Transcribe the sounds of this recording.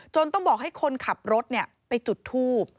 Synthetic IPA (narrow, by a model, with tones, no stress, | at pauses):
t͡ɕo˧nt̪ɔ˥˩ŋbɔː˨˩k̚ha˥˩jkʰo˧nkʰa˨˩p̚ɾo˦˥t̪̚ni˥˩ɐpa˧jt͡ɕu˨˩t̪ʰːuː˥˩p̚